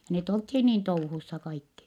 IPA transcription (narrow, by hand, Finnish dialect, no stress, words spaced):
jɑ net olthiː niːn touhusːɑ kɑikːi